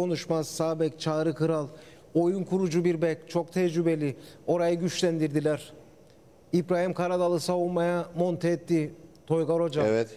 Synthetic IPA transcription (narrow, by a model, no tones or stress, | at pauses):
ko̞nuʃmaz̥saːbɛct͡ʃʰaːɾɯkɯɾalˠ | o̞junkʰuɾud͡ʒubiɾbɛct͡ʃʰo̞k̚t̪ʰɛd͡ʒɾybe̞lʲio̞ɾajɯɟyt͡ʃlʲænd̪iɾd̪ilʲæɾ̥ | ibɾaːhimkʰaɾad̪alˠɯsavunmajamo̞nt̪ʰɛːt̪ʰːit̪ʰo̞jɡaɾo̞d͡ʒaevɛt̪